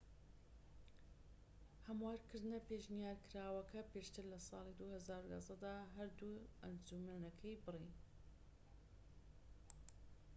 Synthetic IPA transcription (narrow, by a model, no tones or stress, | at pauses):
hɐmwaːɾkɨɾd̪ɨnɐpeːʒnijaːɾkɾaːwɐkʰɐpeʃt̪ɨɾlɐsɑːlˠid̪uːhɐzaːɾudɑ̰zɐd̪aːɦɐɾd̪uʔɐnd͡ʒumanɐkʰɐjbɨri